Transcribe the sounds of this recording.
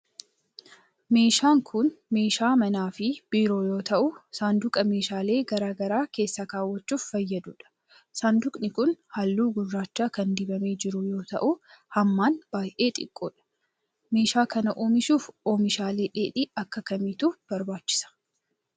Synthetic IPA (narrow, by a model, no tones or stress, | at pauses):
me̞ːʃaːŋkʰʊnme̞ːʃaːmɐnaːfɪb̥iːɾo̞ːjo̞ːt̪ɐʔʊsaːnd̪ʊkʼɐme̞ːʃaːle̞ːɡɐɾaːɡɐɾaːke̞ːsːakaːwːɐt͡ʃːuːffɐjːɐd̪uːᶑɐ̥ | saːnd̪ʊkʼnɪkʊnhalːuːɡʊrːaːt͡ʃːaːkɐnd̪ɪbɐme̞ːd͡ʒɪɾʊjo̞ːt̪ɐ̰ʔʊhɐmːaːnb̥aːjʔe̞ːt̪ʼɪ̰kʼːo̰ːᶑɐ̥ | me̞ːʃaːkɐnɐʔoːmɪʃuːfoːmɪʃaːle̞ːᶑeːᶑiɐkːɐkɐmɪt̪ub̥ɐɾbaːt͡ʃːɪ̥sɐ̥